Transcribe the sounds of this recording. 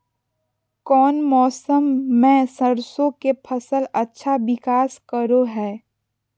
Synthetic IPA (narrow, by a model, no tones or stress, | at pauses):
kɔːnmɔːsəmːẽsəɾsõkepʰɐsəlɐtːʃʰaʋɪkaːskəɾoɦɛː